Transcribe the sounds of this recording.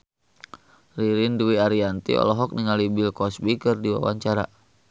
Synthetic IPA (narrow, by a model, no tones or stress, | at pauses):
riɾinduwiaɾiant̪ḭɔ̰lɔɦɔk̚niŋalibɪlkɔsbikərdiwa̰wa̰ɲt͡ʃaɾa̰